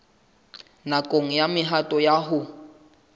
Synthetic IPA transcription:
nakʼoŋ̩jamɪɦatʼɔjaɦʊ

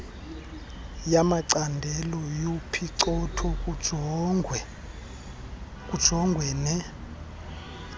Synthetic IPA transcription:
jamaǀandʱɛlɔjupʰiǀɔtʰɔkʼ | ɛ | kʼud̥ʒ̥ʱɔŋɡʱwɛnɛ

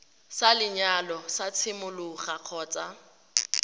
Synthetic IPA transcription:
salɪɲalɔsat͡sʰɪmʊlʊχaq͡χʰɔːt͡sʼa

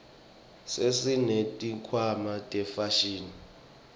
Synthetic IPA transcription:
sesinetʼikʰwamatʼɛfaʃiːni

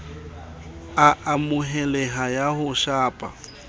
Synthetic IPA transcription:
aʔamʊɦɛlɛɦajahʊʃaːpʼa̰

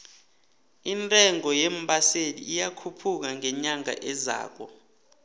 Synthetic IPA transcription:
intʼɛŋɔjem̩ɓʼaselḭːjakʰupʰuk̬aŋɛɲaŋa̰ʔɛza̰ːk̬ɔ

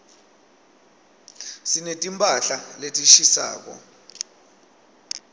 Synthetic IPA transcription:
sinetʼimpʼaɬaletʼiʃisa̰ːk̬ɔ̰

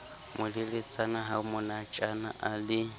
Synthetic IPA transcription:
mʊdɪlɪt͡sʼanaɦamʊnat͡ʃʼana̰ʔalɪ

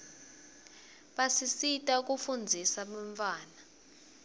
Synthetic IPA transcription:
ɓasisitʼak̬ʼufund͡zʱisaɓɛɱfaːna

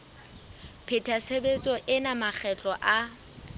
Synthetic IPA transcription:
pʰɪtʰasebet͡sʼɔʔɪnamak͡xʰɛt͡ɬʼɔʔa

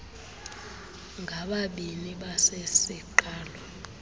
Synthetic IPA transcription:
ŋɡʱaɓaɓiniɓasesiǃaːlɔ

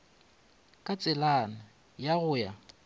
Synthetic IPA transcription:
kʼat͡sʼɪlana | jaɣʊja

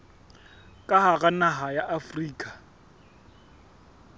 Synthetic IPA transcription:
kʼaɦaɣanaɦajaʔafriːkʼa

